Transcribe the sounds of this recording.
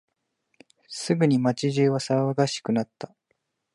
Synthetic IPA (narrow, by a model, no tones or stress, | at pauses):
sɨɡɯ̟ɲ̟imat͡ɕiʑɨːβasaβaɡaɕi̥kɯ̟nat̪ːa